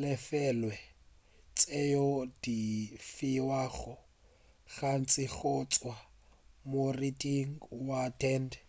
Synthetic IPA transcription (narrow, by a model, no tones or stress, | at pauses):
lɛfɛlwɛ | t͡sʼejɔd̥ifiwaɣʊ | ɣan̩t͡sʼɪɣʊt͡sʼwa | moritʼiŋ̩watʰɛnd